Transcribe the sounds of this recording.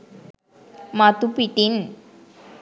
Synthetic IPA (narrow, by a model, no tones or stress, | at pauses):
mat̪upiʈin